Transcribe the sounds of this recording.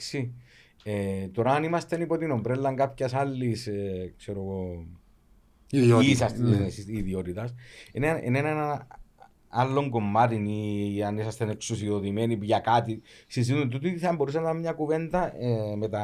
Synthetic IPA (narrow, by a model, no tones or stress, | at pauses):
ksi | et̪o̞ɾɐːnimɐst̪enipo̞t̪inombɾelːɐŋkapçɐsɐlːiskseɾo̞ɣo | isssiðio̞t̪it̪ɐsenenḛnenɐna | alːo̞ŋɡo̞mːat̪̬iniɐnisɐst̪ene̞ksusio̞ðime̞nipuʝɐkat̪isizit̪unt̪̬ut̪iθɐmbo̞ɾusɐnːɐmɲɐkuve̞nd̪ɐemet̪ɐ